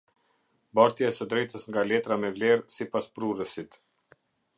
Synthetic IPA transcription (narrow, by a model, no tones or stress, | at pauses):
baɾt̪jasəd̪ɾɛjt̪əsŋɡalɛt̪ɾamɛvlɛɾsipaspɾurəsit̪